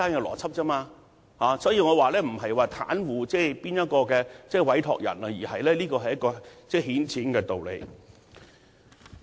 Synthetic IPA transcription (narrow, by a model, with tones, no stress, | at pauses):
aː˥nkɛː˧lɔ̰ː˨˩t͡sʰɐ˥p̚t͡sɐ˥maː˧ | haː˨˧sɔː˨˥jiː˧ŋɔː˨˧waː˨˧lɛː˥m̩˨˩ɦɐ˨jwaː˨t̪ʰa̰ː˨˥nwuː˨t͡sɛː˥˩piː˥njɐ˥t̚kɔː˧kɛː˧t͡sɛː˥˩wɐ˨˥jt̪ʰɔ̰ː˨k̚jɐ̰˨˩nɐ˧jiː˨˩hɐ˨jlɛː˥liː˥kɔː˧ɦɐ˨jɐ˥kːɔː˧t͡sɛː˥˩hiː˨˥nt͡sʰiː˨˥nkɛː˧t̪o˨wlḛ˨˧j